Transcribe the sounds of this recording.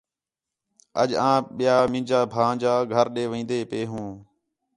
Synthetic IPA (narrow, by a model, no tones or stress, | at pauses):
ə̰ʄãːɓɪjaːmɪ̃ːd͡ʒaːbʱãːd͡ʒaːɡʱəɾɗeːʋĩːnd̪eːpeːɦũː